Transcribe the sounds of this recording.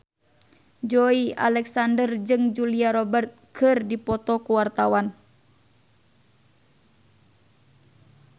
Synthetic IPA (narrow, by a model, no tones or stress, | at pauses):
d͡ʒɔia̰lɛksandərd͡ʒɨŋd͡ʒuliaɾɔbərt̪̚kɨrdipɔt̪ɔkuwart̪awan